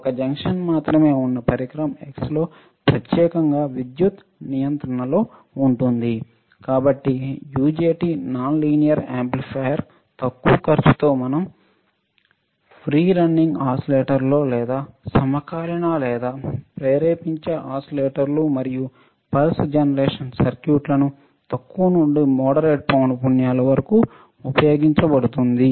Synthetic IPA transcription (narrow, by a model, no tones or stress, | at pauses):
ɔkɐd͡ʒɐŋkʂɐnmaːt̪ɾɐme̞ːunːɐpɐɾikɾɐmekslo̞ː | pɾɐt̪jɛːkɐŋɡaːʋid̪jut̪ | nijɐnt̪ɾɐɳɐloː | uɳʈund̪i | kaːbɐʈːijuːd͡ʒeːʈiːnaːnliːnijɐɾeːmplipʰɐjɐɾ | t̪ɐkːuːkɐɾt͡ʃu̥t̪oːmɐnɐm | pʰɾiːɾɐɳɖiŋɡaːsɐleːʈɐɾlo̞ːlɛːd̪aːsɐmɐkaːɾɐɳaːlɛːd̪aːpɾɛːɾeːpiɲt͡ʃeʔaːsɐleːʈɐɾlumɐɾiju | pɐlsd͡ʒɐnɐɾeːʂɐnsɐɾkjuːʈlɐnu | t̪ɐkːunuɳɖimɔːɽɐɾeːʈ̚pɐwnpunjaːlɐʋɐɾɐku | upɐjo̞ːɡiɲt͡ʃɐbɐɽut̪und̪i